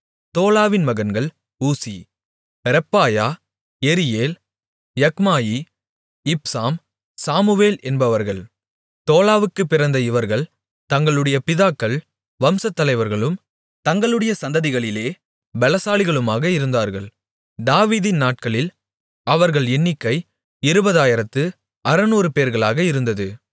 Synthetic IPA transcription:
t̪oːlaːʋɪnmɐɣɐnɡɐɭ | uːsi | pɾɐpːaːjaː | ɛɾɪjeːl | jɐkmaːji | ɪpsaːm | saːmɯʋeːlɛnbɐʋɐɾɣɐɭ | t̪oːlaːʋɯkːɯpːɪɾɐnd̪ɐɪʋɐɾɣɐɭ | t̪ɐŋɡɐɭɯɽɐjɐpɪðaːkːɐɭ | ʋɐmsɐt̪ːɐlɐɪʋɐɾɣɐɭɯm | t̪ɐŋɡɐɭɯɽɐjɐsɐnd̪ɐðɪɣɐɭɪleː | bɐlɐsaːɭɪɣɐɭɯmaːɣɐɪɾɯnd̪aːɾɣɐɭ | ɖ̪aːʋiːðɪnnaːʈ̚kɐɭɪl | ɐʋɐɾɣɐɭɛnːɪkːɐɪ | ɪɾɯbɐðaːjɪɾɐt̪ːɯ | ɐɾɐnuːɾɯpeːɾɣɐɭaːɣɐɪɾɯnd̪ɐðɯ

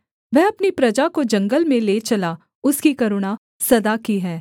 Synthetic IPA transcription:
ʋɛɦɐpnipɾɐd͡ʒakod͡ʒɐ̃ŋɡəlmẽleːt͡ʃɐla | ʊskikɐɾʊɽ̃a | sɐd̪akiɦɛː

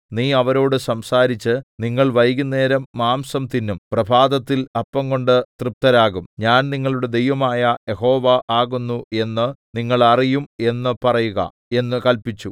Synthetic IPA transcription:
niːɐʋɐɾo̞ːɽɨsɐmsaːɾit͡ɕːɨniŋːɐɭʋɐjɣunːe̞ːɾɐmːaːmsɐmt̪inːumprɐbʱaːd̪ɐt̪ːilɐpːɐmko̞ɳɖɨt̪rip̚t̪ɐɾaːɣumɲaːnniŋːɐɭuɽe̞d̪e̞jʋɐmaːjɐje̞ho̞ːʋɐʔaːɣunːue̞nːɨniŋːɐɭɐrijume̞nːɨpɐrɐjuɣɐ̰ | e̞nːɨkɐlpit͡ɕːu

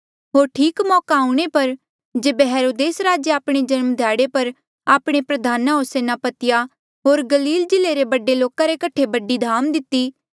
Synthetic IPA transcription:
ɦoːɾʈʰiːkmɔːkaːũɽ̃epɐɾ | d͡ʒeːbeɦɛːɾoːd̪eːsɾaːd͡ʒeaːpɽ̃ed͡ʒɐnmd̪ʱɪjaːɽepɐɾ | aːpɽ̃epɾɐd̪ʱaːnaoːseːnapɐt̪ɪja | ɦoːɾɡɐliːld͡ʒɪleɾebɐɖeloːkãɾekɐʈʰebɐɖid̪ʱaːmd̪ɪt̪ːiː

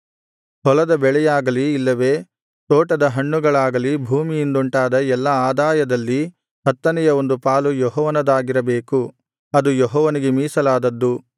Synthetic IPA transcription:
ɦɔlɐd̪ɐbɛɭɛjaːɡɐliːlːɐʋe̞ː | t̪oːʈɐd̪ɐɦɐɳːuɡɐɭaːɡɐlibʱuːmijind̪uɳʈaːd̪ɐɛlːɐaːd̪aːjɐd̪ɐlːi | ɦɐt̪ːɐnɛjɐo̞nd̪upaːlujɔɦɔːʋɐnɐd̪aːɡiɾɐbe̞ːku | ɐd̪ujɔɦɔːʋɐniɡemiːsɐlaːd̪ɐd̪ːu

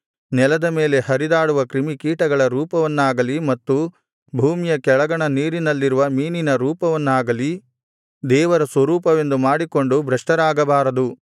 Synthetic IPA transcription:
nɛlɐd̪ɐmeːle̞hɐɾid̪aːɽuʋɐkɾimikiːʈɐɡɐɭɐɾuːpɐʋɐnːaːɡɐlimɐt̪ːu | bʱuːmijɐkɛɭɐɡɐɳɐniːɾinɐlːiɾuʋɐmiːninɐɾuːpɐʋɐnːaːɡɐli | d̪ɛːʋɐɾɐsʋɐɾuːpɐʋe̞nd̪umaːɽiko̞ɳɖubɾɐʂʈɐɾaːɡɐbaːɾɐd̪u

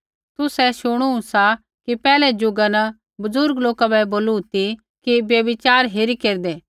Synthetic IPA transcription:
t̪ʊsɛʃʊɽ̃uʊ̃sa | kipɛːlɛd͡ʒʊɡanɐ | bʊzʊɾɡloːkabɛboːlut̪i | kibjɐbɪt͡ʃaːɾɦeːɾikeːɾd̪eː

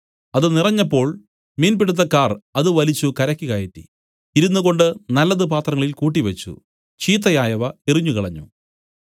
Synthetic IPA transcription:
ɐðɨnirɐɲːɐpːo̞ːɭ | miːnpeɽut̪̬ːɐkaːrɐðɨʋɐlit͡ɕːukɐɾɐkʲːiɣaːjɐʈːḭ | iɾunːuɣo̞ɳɖɨnɐlːɐðɨp̬aːt̪rɐŋɐɭilkuːʈːiʋɐt͡ɕːṵ | t͡ɕiːt̪̬ːɐjaːjɐʋɐeriɲːukɐɭɐɲːṵ

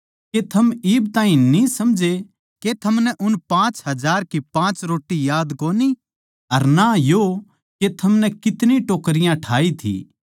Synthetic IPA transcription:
ket̪ʰɐmiːbt̪ãːĩnĩsɐmd͡ʒe | ket̪ʰɐmnɛʔʊnpãːt͡ʃɦɐd͡ʒaːɾkipãːt͡ʃɾoːʈijaːd̪koːni | ɐɾnajo | ket̪ʰɐmnɛkɪt̪nĩʈoːkɾɪjãʈʰaːit̪ʰḭː

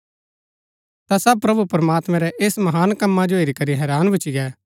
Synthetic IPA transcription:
t̪asɐb̚pːɾɐbupɾɐmaːt̪mɛ̃ɾɛʔeːsmɐɦaːnkɐmːad͡ʒoeːɾikɐɾiɦɛːɾaːnbʱʊt͡ʃʰiɡɛː

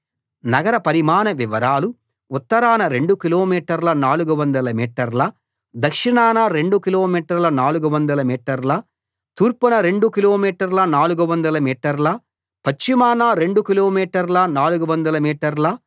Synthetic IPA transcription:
nɐɡɐɾɐpɐɾimaːnɐʋiʋɐɾaːlu | ut̪ːɐɾaːnɐɾe̞ɳɖukiloːmiːʈɐɾlɐnaːluɡuʋɐnd̪ɐlɐmiːʈɐɾlɐ | d̪ɐkʂiɳaːnɐɾe̞ɳɖukiloːmiːʈɐɾlɐnaːluɡuʋɐnd̪ɐlɐmiːʈɐɾlɐ | t̪uːɾpunɐɾe̞ɳɖukiloːmiːʈɐɾlɐnaːluɡuʋɐnd̪ɐlɐmiːʈɐɾlɐ | pɐt͡ʃt͡ʃimaːnɐɾe̞ɳɖukiloːmiːʈɐɾlɐnaːluɡuʋɐnd̪ɐlɐmiːʈɐɾlɐ

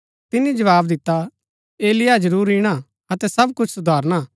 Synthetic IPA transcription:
t̪ɪnĩd͡ʒɐʋaːbd̪ɪt̪ːa | eːlɪjad͡ʒɐɾuːɾiɽ̃a | ɐt̪ɛsɐbkʊt͡ʃʰsʊd̪ʱaːɾña

